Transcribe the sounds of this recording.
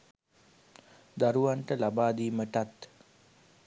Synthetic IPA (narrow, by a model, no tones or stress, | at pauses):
d̪aɾuʋaɳʈəlabaːd̪iːməʈat̪